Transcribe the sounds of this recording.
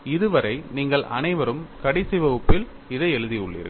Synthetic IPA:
ɪðɯʋɐɾɐɪniːŋɡɐɭʔɐ̰nɐɪʋɐɾɯmkɐɽɪsɐɪʋɐʊpːɪl | ɪðɐɪɛɻɯðiɯɭːɪ̰ɾɯ̰

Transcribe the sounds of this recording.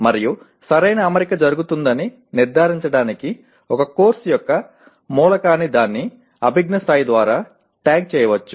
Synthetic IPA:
mɐɾiju | sɐɾɐjnɐːmɐɾikɐd͡ʒɐɾuɡut̪und̪ɐni | niɾd̪ʱaːɾiɲt͡ʃɐɽaːniki | ɔkɐkoːɾsjɔkːɐ | muːlɐkaːnːid̪aːnːi | ɐbʱiɡnɐsaːjd̪ʋaːɾaː | ʈaːɡ̚t͡ʃɛːjɐʋɐt͡ʃːu

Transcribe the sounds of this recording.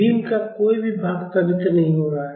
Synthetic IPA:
iːnkakoːibʱibʱaːɡt̪abɪt̪ənnɐɦĩɦoːɾaaːɦɛ

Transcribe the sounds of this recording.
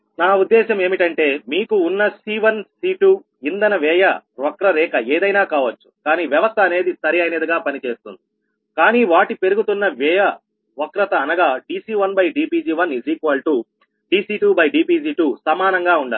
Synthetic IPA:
naːud̪ːɛːʃɐme̞ːmiʈɐɳʈe̞ːmiːkuːnːɐsiːʋɐnsiːʈu | ind̪ɐnɐʋɛːjɐʋɐkɾɐɾɛːkɐeːd̪ɐjnaːkaːʋɐt͡ʃːu̥kaːniːʋjɐʋɐst̪ʰɐːne̞ːd̪isɐɾiɐjnɐd̪iɡaːpɐnit͡ʃe̞ːst̪und̪i | kaːniːʋaːʈipe̞ɾuɡut̪unːɐʋɛːjɐ | ʋɐkɾɐt̪ɐːnɐɡaːɖiːsiːʋɐnbɐjɖiːpiːd͡ʒiːʋɐnid͡ʒikʋɐlʈu | ɖiːsiːʈuːbɐjɖiːpiːd͡ʒiːʈuːsɐmaːnɐŋɡaːuɳɖa̰ː

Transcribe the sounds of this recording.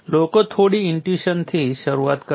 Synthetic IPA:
lokət̪ʰoɽiːiɳʈjiɕənt̪ʰiːɕəɾuʋat̪kə

